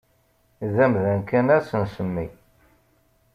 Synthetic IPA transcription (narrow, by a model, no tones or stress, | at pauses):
ðæmðænkːænæɾsənsəmːḭ